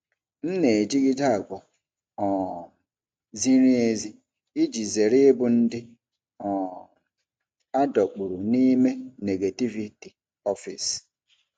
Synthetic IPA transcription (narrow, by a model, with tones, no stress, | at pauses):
n̩˦ne˨e˨d͡ʒi˦ɡɪ˦da˦a˨ɡʷɔ˨ | ɔ˨ | zi˦ɾi˦e˦zi˦ | i˦d͡ʒi˨ze˨ɾɪ˦bʊ˨˦n̩˦dɪ˦ | ɔ˨ | a˦dɔ˨k͡pu˨ɾu˨ni˦me˦ne˨ɡe˨ti˦vi˨ti˨ | ɔ˦fḭ˨s